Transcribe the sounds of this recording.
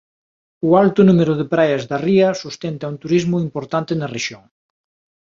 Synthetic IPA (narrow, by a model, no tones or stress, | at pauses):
ʊalt̪ʊnumeɾʊðepɾajɐzðɐriɐsust̪ent̪ɐunt̪uɾizmʊimpoɾt̪ant̪ɪnɐreʃjoŋ